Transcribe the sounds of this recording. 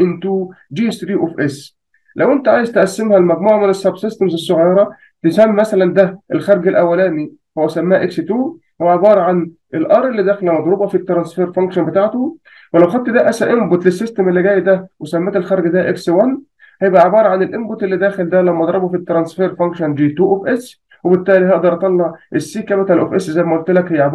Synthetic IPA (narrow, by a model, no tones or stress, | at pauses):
ʔɪnt̪uː | d͡ʒiːst̪ɾiːʔofʔes | læwʔent̪æʕaːjezt̪eʔæsːemhælmæɡmuːʕamenæsːæbsest̪emzesːoʕjɑɾˤɑ | t̪esæmːmæsælænd̪æʔelxɑɾˤɡelʔæwːælæːmi | howːæsæmːæːhæʔekset̪uː | howʕebɑːɾˤɑʕan | ʔelʔɑɾˤʔelːid̪æːxelæmɑd̪ˤɾˤɑbɑfit̪ːɾˤɑnsfeːɾfæŋkʃænbet̪aːʕt̪o | welæwxæd̪̚t̪d̪æʔæsæʔembot̪lesːest̪emelːiɡæːjːd̪æwesæmːæːt̪elxɑɾˤɡd̪æʔekswæn | hæjebʔæʕebɑːɾˤɑʕanelʔembot̪ʔelːid̪æːxeld̪ælæmːæʔɑd̪ˤɾˤɑbofit̪ːɾˤɑnsfeːɾfæŋkʃɑnd͡ʒiːt̪uːʔofʔes | webet̪ːæːliɦæʔd̪ɑɾˤʔɑt̪ˤɑlːɑʕʔesːiːkæbet̪ælʔofʔesʔzæjmæʔolt̪elækhejːaʕeb